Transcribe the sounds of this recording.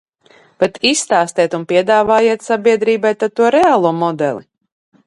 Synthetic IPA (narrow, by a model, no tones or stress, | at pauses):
b̥ɛt̪ʰisːt̪aːst̪ɛːt̪unpʲiɛd̪aːvaːjiɛt̪sabʲiɛd̪ɾiːbajt̪at̪uɔɾɛaːlˠuɔmɔd̪ɛ̰lˠḭ